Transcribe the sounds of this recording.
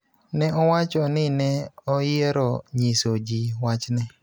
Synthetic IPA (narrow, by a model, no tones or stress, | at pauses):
nɛʔɔwat͡ʃɔnɪnɛɔjeɾɔɲisod͡ʒiwat͡ʃnɛ